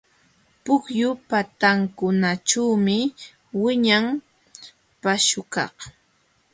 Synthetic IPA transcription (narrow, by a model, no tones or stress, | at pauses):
pʊkjʊpat̪aŋkʊnaʈ͡ʂawmɪ | wɪɲaŋ | paʃʊkɑ̰χ